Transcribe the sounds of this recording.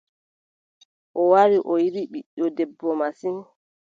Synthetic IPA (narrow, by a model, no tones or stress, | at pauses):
ʔɔwaɾiʔɔjiɾiɓiɗːɔdɛbːɔmasin